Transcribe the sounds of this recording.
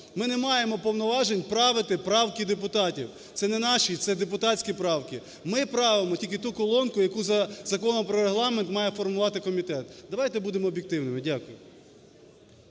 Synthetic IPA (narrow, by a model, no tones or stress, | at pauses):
mɪnɛmɑjemɔpɔwnɔʋɑʒenʲpɾɑʋɪt̪ɪpɾɑwkid̪epʊt̪ɑtʲiw | t̪sɛnɛnɑʃʲit̪sɛd̪epʊt̪ɑt͡sʲkʲipɾɑwkɪ | mɪpɾɑʋemɔtʲilʲkʲɪt̪ukɔlˠɔnkʊjɐkuzɐzɐkɔnɔmpɾɔɾeɦlˠɑment̪mɑjɛfɔrmʊʋɑt̪ɪkɔmʲit̪ɛt̪d̪ɐʋɑjt̪ɛbud̪emɔːbʲjɪkt̪ɪwnɪmɪdʲakʊjʊ